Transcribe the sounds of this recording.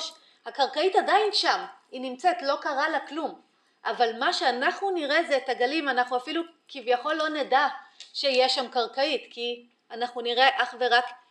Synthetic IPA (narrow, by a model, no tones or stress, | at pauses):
ʃ | hakaʁkaitadainʃaminimt͡set̪lo̞kaʁalaklum | ʔavalmaʃeanaχnuniʁezet̪aɡalimanaχnuafilu | kivjaχo̞lːo̞nedaʃeijeʃamkaʁkaitki | anaχnuniʁe̞ʔaχve̞ʁak